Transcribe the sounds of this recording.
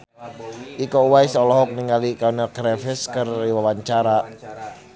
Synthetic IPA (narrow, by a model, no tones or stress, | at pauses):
ʔikɔuwaisɔlɔɦɔk̚niŋalikanakɾɛfɪskəriwawaɲt͡ʃaɾa